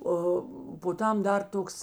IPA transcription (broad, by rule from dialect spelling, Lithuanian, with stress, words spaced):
ˈoː poː ˈtɐm ˈdɐr ˈtoːks